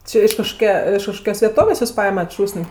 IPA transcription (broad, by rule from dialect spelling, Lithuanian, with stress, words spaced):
ˈt͡ʃʲɪ ɪʃ kɐʃkoːˈkʲɛ ɪʃ kɐʃˈkoːkʲoːs ʋʲɛˈtoːʋʲeːsʲ ˈjuːs ˈpɐɪmɐt ˈʃuːsʲnʲ